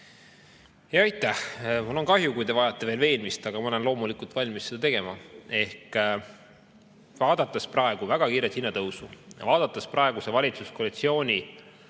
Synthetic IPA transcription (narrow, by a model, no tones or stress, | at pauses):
jɑɑjt̪ːˑæhmulːo̞nkɑɦjukujd̪e̞vɑjɑt̪ˑːe̞veːlve̞ːnmist̪ɑɡ̥ɑmɑole̞nlo̞ːmulikult̪vɑlʲmisːe̞d̪ɑt̪e̞ɡ̥e̞mɑe̞hk | vɑːd̪̥ɑt̪ːˑɑsprɑe̞ɡ̥uvæɡ̥ɑkiːɾet̪hinːɑt̪ɤwsujɑ̰vɑːd̪̥ɑt̪ːˑɑsprɑe̞ɡ̥usevɑlʲit̪suskolit̪sio̞ːnʲi